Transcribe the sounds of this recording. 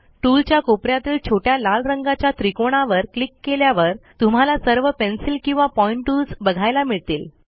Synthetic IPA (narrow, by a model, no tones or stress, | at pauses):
ʈult͡ɕjakopɾjat̪iːlt͡ɕʰoʈjalalɾəŋɡat͡ɕjat̪ɾikoɽ̃aʋəɾklikːeljaʋəɾt̪um̤alasəɾʋəpensilkĩw̃ʋapɔiɳʈʈːulsbəɡʱajlamiɭt̪iːl